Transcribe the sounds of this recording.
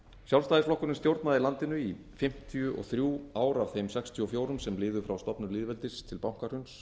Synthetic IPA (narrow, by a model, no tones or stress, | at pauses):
sjawlst̪ajðɪsflɔhkʏɾnɪnst̪jowɾt̪naðɪlant̪ɪnʏi | fɪm̥t̪ʰijʏʔɔ̰ɣθɾjuːaːwɾav̥θejmsɛkst̪ʰjʏɔfjoːwɾʏmsɛmlɪːðʏfɾawst̪ɔpnʏɾliːðvɛlt̪ɪst̪ʰɪlpawŋ̥kar̥hʏns